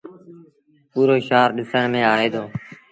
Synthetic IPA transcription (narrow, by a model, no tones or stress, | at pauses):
puːɾoːʃaːɾɗɪsəɳmẽːaːɦeːd̪oː